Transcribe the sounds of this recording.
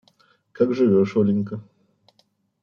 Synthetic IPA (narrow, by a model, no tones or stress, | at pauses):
kakʐɨvʲoʂolʲɪnʲkə